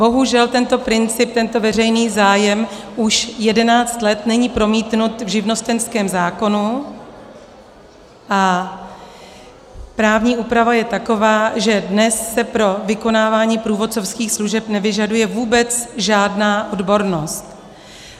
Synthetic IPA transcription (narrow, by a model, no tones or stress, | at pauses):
bo̞ɦuʒɛlt̪ɛnt̪o̞pɾɪnt͡sɪp̚t̪ɛnt̪o̞vɛrɛjniːzaːjɛmʔuʃjɛdɛnaːt͡st̪lɛt̪nɛɲiːpɾo̞miːt̪nut̪vʒɪvno̞st̪ɛnskɛːmzaːko̞nu | ʔa | pɾaːvɲiːʔuːpɾavajɛt̪ako̞vaːʒɛdnɛsːɛpɾo̞vɪko̞naːvaːɲiːpɾuːvo̞t͡so̞fskiːxsluʒɛpnɛvɪʒadujɛvuːbɛt͡sʒaːdnaːʔo̞dbo̞ɾno̞st̪